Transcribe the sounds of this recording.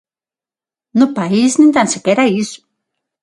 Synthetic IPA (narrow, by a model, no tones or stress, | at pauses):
nʊpaisnint̪ansekeɾaisʊ̥